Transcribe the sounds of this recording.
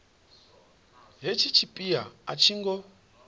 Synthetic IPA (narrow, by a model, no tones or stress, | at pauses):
ɦet͡ʃʰit͡ʃʰipʼiaat͡ʃʰiŋɡɔ